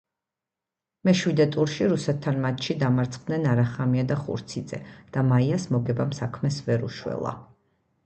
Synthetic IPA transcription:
mɛʃwid̪ɛt̪ʼuɾʃiɾusɛt̪̚ʰːanmat̪ʰʃid̪amaɾt̪sʰχd̪nɛnaɾaχamiad̪aχṵɾt̪sʰid̪z̥ɛ̰d̪̥amaiasmɔɡɛbamsakʰmɛsvɛɾṵʃwɛ̰lˠa̰

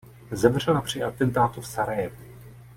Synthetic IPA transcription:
zɛvr̝ɛlapr̝̥ɪʔat̪ɛnt̪aːt̪ufsaɾajɛ

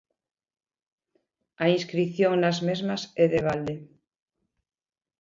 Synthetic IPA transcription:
ainskɾiθjoŋnazmezmaseðeβ̞ald̪e

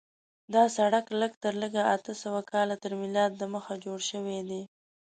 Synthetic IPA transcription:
d̪ɑsaɽakləɡt̪əɾləɡaat̪əsəwakɑlat̪əɾmɪlɑd̪̚ːəməxad͡ʒoɽʃəwed̪e

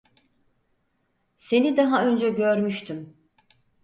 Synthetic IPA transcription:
se̞nid̪aɦaø̞nd͡ʒɛɟøɾmyʃt̪ʰym

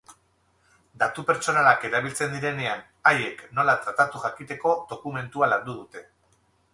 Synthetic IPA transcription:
d̪at̪upe̞ɾt͡so̞nalake̞ɾaβ̞ilt͡se̞nd̪iɾe̞ne̞an | aje̞kno̞lat̪ɾat̪at̪uʝakit̪e̞ko̞d̪o̞kume̞nt̪ualand̪uð̞ut̪e̞

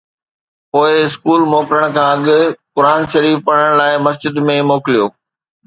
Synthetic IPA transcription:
poːɪɪskuːlmoːkɾəɽ̃kʰãːɐɠʊ̆kʊɾaːnʃɐɾiːfpɐɽ̤əɽ̃laːɪmɐsd͡ʑɪd̪mẽmoːkɪlijoː

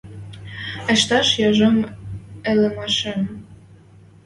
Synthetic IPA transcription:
ĕʃt̪ɑʃjɑʒɤmĕlĕmɑʃĕm

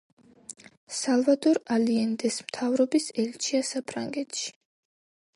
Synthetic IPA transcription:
salˠvad̪ɔɾaliɛnd̪ɛsmt̪ʰavɾɔbisɛlt͡ʃʰiasapʰɾa̰ŋɡɛt̪ʃi̥

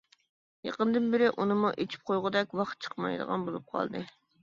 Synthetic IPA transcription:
jɑ̰qənd̪ɨnbɪɾɪʔunɨmuʔet͡ʃʰi̥p̚qʰojʁʊd̪ɛk̚ʲwɑχt̪̚t͡ʃʰə̥qmɑ̰jd̪ə̰ʁɑ̰nbolˠup̚qʰɑ̰lˠd̪ɨ

